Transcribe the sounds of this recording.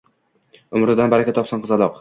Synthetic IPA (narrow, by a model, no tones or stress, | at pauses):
ʊmɾɪd̪anbaɾakʲat̪ʰɒpsanqʰɨzalˠɒq